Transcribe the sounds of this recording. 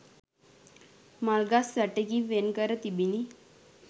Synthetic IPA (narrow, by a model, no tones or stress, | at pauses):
malɡasːaʈekiʋenkəɾət̪ibini